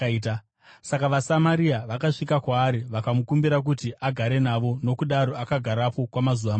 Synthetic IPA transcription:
ta | sakaʋasamaɾiaʋakaʂikakwaːɾiʋakamukumbiɾak̬utiʔaɡʱaɾe̞naʋo̞no̞kuɗaɾo̞akaɡʱaɾapo̞kwamazuʋama

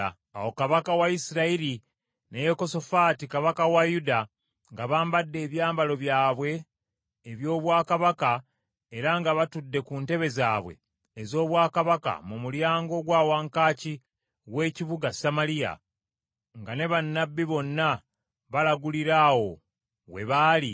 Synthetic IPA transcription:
awo̞kaβakawaisiɾaiɾi | nejeko̞so̞faːtikaβakawajuda | ŋɡaβaːmbadːe̞ːβjaːmbalo̞βjaːβwe̞ː | βjo̞ːβwaːkaβaka | eɾaŋɡaβatudːe̞kunte̞βe̞zaːβwe̞̰ː | zo̞ːβwaːkaβaka̰mumuljaːŋɡo̞ɡwaːwaŋkaːci | we̞ːciβuɡasamalija̰ | ŋɡane̞βanːabːiβo̞nːa | βalaɡuliɾaːwo̞ | we̞̰βaːli

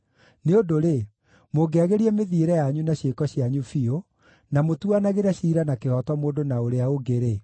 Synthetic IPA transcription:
neodoɾe | moɡeaɣeɾiɛmeðiɾɛjaɲunaɕekɔɕiaɲufio | namotuanaɣeɾaɕiːɾanakehɔtɔmoːndonaoɾeaoɡeɾe

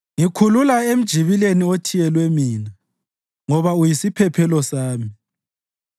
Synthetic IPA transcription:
ŋikʰululaem̩d̥ʒ̥ʱiβileniotʰijɛlwɛmiːna | ŋɔβaujisipʰɛpʰɛlɔsaːmi

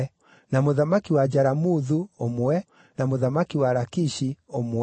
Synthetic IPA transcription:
namoðamakiwad͡ʒaɾamuðuomowɛ | namoðamakiwaɾakiʃiom

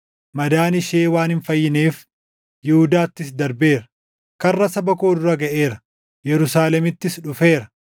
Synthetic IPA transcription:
mɐd̪aːnɪʃe̞ːwaːnhɪnfɐjːɪneːf | jɪhʊd̪aːt̪ːɪs̬d̪ɐɾbe̞ːɾɐ | kɐrːɐsɐbɐko̞ːd̪ʊɾɐɡɐʔeːɾɐ | jɛɾʊsaːlɛmɪt̪ːɪsᶑʊfe̞ːɾɐ

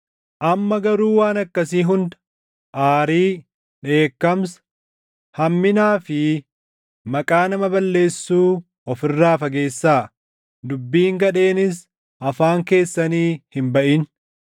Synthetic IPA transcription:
ʔɐmːɐɡɐɾuːwaːnɐkːɐsiːɦʊnd̪ | ʔaːɾiː | ᶑe̞ːkːɐms | hɐmːɪnaːfɪ | mɐkʼaːnɐmɐbɐlːe̞ːsːuː | ɔfɪrːaːfɐɡe̞ːsːaː | d̪ʊbːiːŋɡɐᶑe̞ːnɪs̬ | ɐfaːŋke̞ːsːɐniːhɪmbɐʔiːn

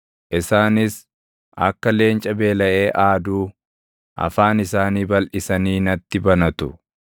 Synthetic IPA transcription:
ʔɪsaːnɪs | ʔɐ̰kːɐle̞ːnt͡ʃʼɐbe̞ːlɐʔe̞ːʔaːd̪uː | ʔɐ̰faːnɪsaːniːbɐlʔɪsɐniːnɐt̪ːɪbɐnɐt̪ʊ

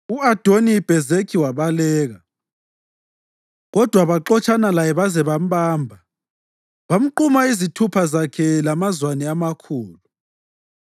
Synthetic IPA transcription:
uad̥ʱonib̥ʱɛzekʰiwaβalɛːɣa | ɣɔd̥ʱwaβaǃɔt͡ʃʰʼanalajɛβazɛβam̩ɓaːmbʱa | βam̩ǃumaizitʰupʰazakʰɛlamazwanɛamakʰuːlu

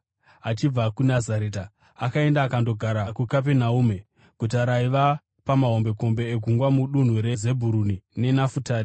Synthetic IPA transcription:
at͡ʃib͡vakunazaɾeːta | akae̞ndaːkando̞ɡʱaɾakukap̬enauːme̞ | ɡ̥ʱutaɾaiʋa | pamaɦo̞mbe̞ko̞mbe̞ːɡʱuŋɡwamuɗun̤uɾeze̞bʱuɾunine̞nafutaːri

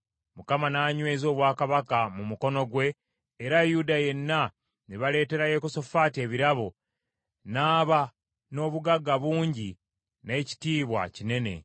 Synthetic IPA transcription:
mukamanaːɲwe̞ːzo̞ːβwaːkaβakamumuko̞no̞ɡwe̞ː | ɾajudaje̞nːa | niβale̞ːte̞ɾajekoso̞faːtie̞βiɾaβo | naːβa | no̞ːβuɡaɡaβuːɲɟi | ne̞ːci̥tiːβwa̰cine̞ne̞̰

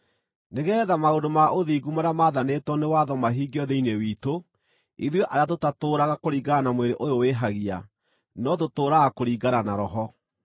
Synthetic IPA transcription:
neɣɛːðamaondomaʔoðiːɡumaɾamaðanetwɔnewaðɔmaɦiɡiɔðeinewiːto | iðweʔaɾeatotatoːɾaɣakoɾiːɡaanamweɾeʔojoweɦaɣia | nɔtotoːɾaɣakoɾiːɡaɾanaɾɔɦɔ

